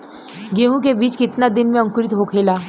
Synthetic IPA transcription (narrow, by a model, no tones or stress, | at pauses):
ɡeːɦũkebiːt͡ʃkɪt̪nad̪ɪnmẽʊ̃ŋkɾɪt̪ɦokʰeːlaː